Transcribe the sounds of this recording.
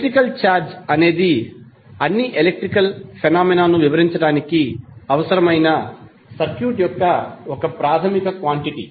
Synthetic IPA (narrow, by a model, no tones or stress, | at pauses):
ʈɾikɐlt͡ʃaːɾd͡ʒɐne̞ːd̪i | ɐnːiʔelek̚ʈɾikɐlpʰenaːminaːnuʋiʋɐɾiɲt͡ʃɐɽaːnikiɐʋɐsɐɾɐmɐjnɐ | sɐɾkjuːʈjɔkːɐɔkɐpɾaːt̪ʰɐmikɐkʋaːɳʈiʈḭ